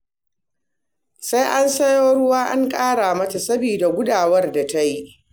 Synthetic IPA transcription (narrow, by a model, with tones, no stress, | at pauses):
sa˦jʔa˦nsɐ˦joː˦ɽʊ˦waː˦ʔa̰˦ŋkʼaː˦ɽa˨mɐ˦ta˨sɐ˦biː˨da˨ɡʷʊ˦daː˨wɐ˦rda˨ta˦ji˦ʔ